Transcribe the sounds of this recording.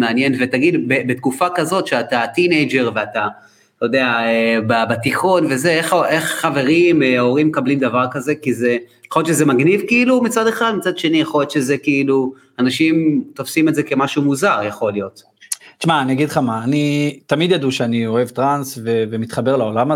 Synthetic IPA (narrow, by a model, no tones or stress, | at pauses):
meanje̞nve̞t̪aɡid̪bebet̪̚kufakazo̞t̪ʃeatat̪inejd͡ʒe̞ʁveata | tod̪e̞aebabat̪iχo̞nve̞ze̞eχoʔeχːave̞ʁimeo̞ʁimːekablimd̪avaʁkaze̞kizeeχo̞lett͡ʃezemaɡnivkiilumit͡sade̞χad̪mit͡sad̪ʃenijaχolet̪ʃeze̞kiilu | anaʃimt̪ofsimetzeke̞maʃumuzaʁjaχo̞ljo̞t̪ | t͡ʃmaːniaɡid̪χamaːnit̪amid̪jad̪uʃeanioe̞vt̪ʁansvevemit̪χabe̞ʁlao̞lam